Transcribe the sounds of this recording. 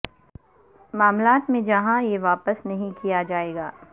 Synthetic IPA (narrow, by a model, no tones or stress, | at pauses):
maːmlaːt̪mẽd͡ʒɐɦãjeʋaːpəsnɐɦĩkijad͡ʒaːeːɡaː